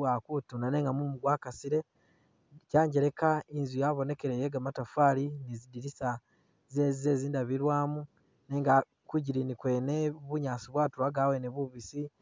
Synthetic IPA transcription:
akutunane̞ːŋɡamumuɡwaːkasiɾe̞ | caːɲɟeɾe̞kainzujaβo̞ne̞ke̞ɾejeɡamatafalinizidiɾisa | zezizeziːndaβiɾwaːmu | neːŋɡa | kuɟiɾinikwe̞ːneβuɲaːsiβwaːtuɾaɡaweneβuβisi

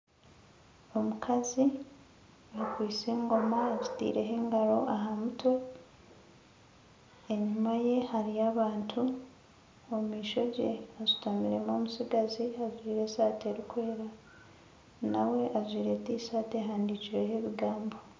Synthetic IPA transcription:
o̞mukʰazi | kwiːt͡seːŋɡo̞maezitḭːɾe̞ɦeːŋɡaɾo̞ʔaɦamuto̞ | e̞ɲumaje̞haɾiaβaːntʰu | ommiːʃo̞ɟḛazutamiɾe̞momusiɡaziazwiːɾe̞saːte̞ɾikweeɾa | nawe̞ʔazwiːɾe̞tisaːteɦaːndit͡ʃiɾeɦeβiɡaːmbo̞

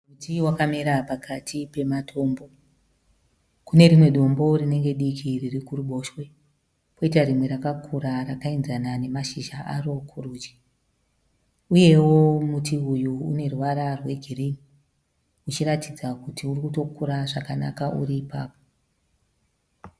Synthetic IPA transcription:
mutiwakameɾapakʰatʰipe̞matʰo̞ːmbo̞ | kune̞ɾimwe̞ɗo̞mbo̞rine̞ŋɡe̞ɗikʰiririkuruɓo̞ːʃwe̞ | po̞itaɾimwe̞ɾakakʰuɾarakainzanane̞maʃiʒaʔa̰ro̞kʰuruːd͡ʒi̥ | uje̞wo̞mutiujṵːne̞ruwaɾarwe̞ɡʱirini | ut͡ʃiɾatid͡zakutʰiurikuto̞kuɾaʐakana̰kaʔṵɾiːpaːpo̥

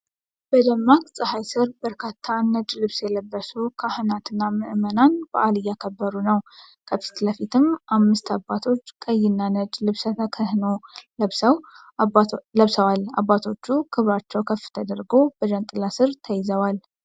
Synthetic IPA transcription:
b̥əd̪əmːakʼsʼɨhajsɨɾbəɾkʰat̪ʰːanəd͡ʒlɨβsjɛləbːəsukʰahɨnat̪ʰɨnːamɨʔɨmənanb̥ə̰ʔalɨjːakʰəbːəɾunəwkʰəfi̥t̪ləfit̪ʰɨmʔamːɨst̪ʰabat̪ʰo̞t͡ʃːkʼəjɪnːanəd͡ʒlɨβsət̪ʰəkʰəhɨnoləsəw | ləβsəwala̰bːat̪ʰo̞t͡ʃːukʰɨβɾat͡ʃːɛwkʰəfːɨ̥t̪ʰəd̪əɾɡo̞b̥əd͡ʒənt̪ʼɨlasɨɾt̪ʰəjɪzəwal

